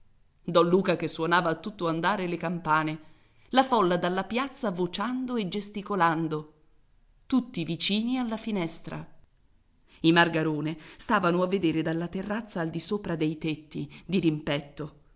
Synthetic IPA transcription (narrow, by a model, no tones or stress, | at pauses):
d̪ɔnluːkakesːwonaːvaːt̪ːut̪ːoand̪aːɾelekampaːne | lafɔlːad̪alːapjat̪sːavot͡ʃand̪oed͡ʒest̪ikoland̪o | t̪ut̪ːivit͡ʃiːnialːafinɛst̪ɾa̰ | imarɡaɾoːnest̪aːvanoavːed̪eːɾed̪alːat̪erːat̪sːaːld̪isoːpɾad̪ejt̪et̪ːid̪iɾimpɛt̪ːo